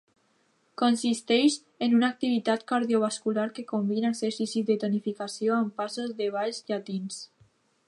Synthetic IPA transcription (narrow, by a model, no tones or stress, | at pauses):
konsist̪ɛʃ | enunak̚t̪iβit̪at̪kaɾðioβ̞askulaɾkekombinaseɾsisiðet̪onifikasioampasozðeβ̞aʎzʎat̪ins